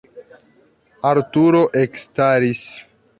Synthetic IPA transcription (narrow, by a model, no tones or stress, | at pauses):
aɾtuɾoʔekstaɾis